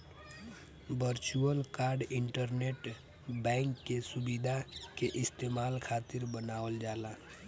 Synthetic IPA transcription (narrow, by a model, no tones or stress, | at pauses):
bəɾt͡ʃuəlkaːɾɖɪɳʈəɾneːʈ | bɛ̃ːŋkːesʊbid̪ʱakeʔɪst̪eːmaːlkʰaːt̪ɪɾbənaːʋəld͡ʒaːlaː